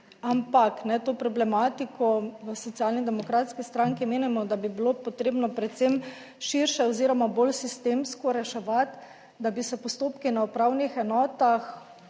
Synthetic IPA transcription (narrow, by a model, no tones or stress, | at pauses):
ampaknɛt̪oːpɾɔblɛmaːt̪ikʰɔʋəsɔt̪sijalnid̪ɛmɔkɾat̪skist̪ɾaŋkimeːnimɔd̪abibilopɔt̪ɾeːbnɔpɾɛt̪sem | ʃiɾʃɛɔziːɾɔmabolsist̪emskɔɾɛʃɛʋat̪ | d̪abisɛpɔst̪oːpkinaupɾawnixɛnɔːt̪ax